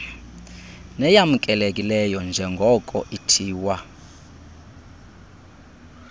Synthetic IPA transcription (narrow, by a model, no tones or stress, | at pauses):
nɛjamukʼɛlekʼilɛjɔnd͡ʒʱɛŋɡʱɔkʼɔ̰ʔitʰiːwa